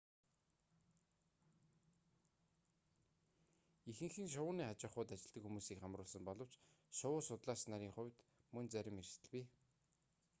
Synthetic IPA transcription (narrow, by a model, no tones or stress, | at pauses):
ixɘ̆ŋxɘ̆ŋʃ̬ʊʊːniːχat͡ɕɪ̆χʊːt̪at͡ɕɪ̆ɮt̪ə̆kxumuːsiːkχamrʊːɮsə̆mpɔɮɞ̆w̥t͡ɕʃʊwʊːsʊt̪ɮaːsnaɾʲiːŋχʊwʲt̪ | mɵnt͡sæɾʲɪ̆merst̪ɘ̆ɮpiː